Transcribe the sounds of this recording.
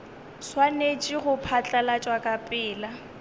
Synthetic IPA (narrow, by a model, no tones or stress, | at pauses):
swanet͡ʃʼiɣʊpʰat͡ɬʼalat͡ʃʼwakʼapʼɪːla